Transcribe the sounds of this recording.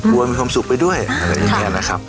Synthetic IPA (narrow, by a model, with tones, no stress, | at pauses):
ku˧ɐmiː˧kʰwaː˧msu˨˩k̚pa˧jdu˥˩əja˧˩a˨˩ja˧˩ɛː˧˩na˦˥kʰa˦˥p̚